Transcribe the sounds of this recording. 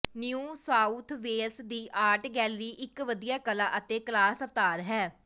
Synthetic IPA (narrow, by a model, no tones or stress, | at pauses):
nijuːsaːut̪ʰʋeːsd̪iːʔaːʈɡɛːlɾiːʔɪkʋəd̪ijaːkəlaːʔət̪eːklaːsəft̪aːɾɦɛː